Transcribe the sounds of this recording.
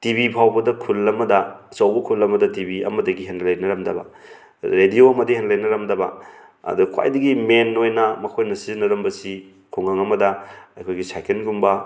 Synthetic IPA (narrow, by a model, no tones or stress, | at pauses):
tibipʰawbɐdɐkʰulːɐmɐdɐsɐwbɐkʰulːɐmɐdɐtibiɐ̰mɐdɐɡiɦenlɐjnɐɾɐmdɐbɐ̰ | ɾedioɐmɐdihenlɐjnɐɾɐmdɐbɐ̰ | ɐ̰dukʰwa̰jdɐɡimenːojnɐmɐkʰojnɐsizinɐɾɐmbɐsi | kʰuŋaŋɐmɐdɐɐjkʰojɡisajkʰenɡumbɐ